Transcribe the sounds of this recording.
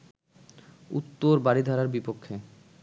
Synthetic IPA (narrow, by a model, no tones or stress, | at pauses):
ṵt̪ːoɾbaɾid̪ʱaɾaɾbipokʰːe